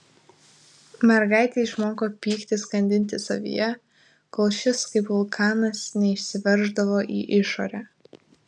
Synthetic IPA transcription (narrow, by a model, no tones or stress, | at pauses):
mʲɛɾɡɑɪt̪ʲeɪʃmoːkoːpʲiːkt̪ʲɪskɐnʲd̪ʲɪnʲt̪ʲɪsɐ̰ʋʲḭjɛ | kɔlˠʃʲɪskɐɪpʋʊlˠkʰɑːnɐsnʲɛɪʃʲsʲɪʋʲɛɾʒd̪ɐʋoːʔiːʔɪʃo̰ːɾʲæː